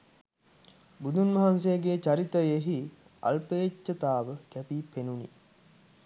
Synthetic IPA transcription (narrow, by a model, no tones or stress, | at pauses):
bud̪unmɐɦans̬ejːɡeːt͡ʃaɾit̪əjeɦi | ɐ̰lpeːt͡ʃːət̪aːʋəkæpipenunḭ